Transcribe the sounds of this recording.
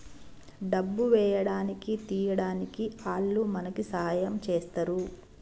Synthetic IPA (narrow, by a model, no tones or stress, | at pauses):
ɖɐbːuʋɛːjɐɽaːnikit̪iːjɐɽaːnikiaːɭːumɐnɐkisɐɦaːjɐmt͡ʃeːst̪ɐɾu